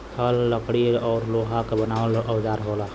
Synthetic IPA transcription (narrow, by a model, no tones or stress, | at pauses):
t̪ʰəlːəkɽiɔːɾloːɦakebənaːʋələwd͡ʒaːɾɦoːla